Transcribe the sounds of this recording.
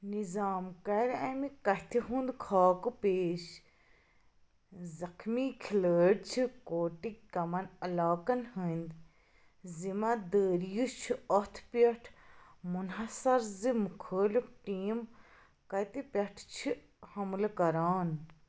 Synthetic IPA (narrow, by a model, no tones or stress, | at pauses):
nizaːmkɐɾɐmikɐt̪ʰiɦũnd̪kʰaːkɨpeːʃ | zɐkʰmikʰiləːɽt͡ʃʰikoːʈikkɐmɐnɐlaːkɐnhənd̪ | zimad̪əːɾjut͡ʃʰiɐt̪ʰpjɐʈʰmunɦɐsɐɾzimukʰəːlifʈiːm | kɐt̪ipʲɐʈʰt͡ʃʰi | hɐmlkɐɾaːn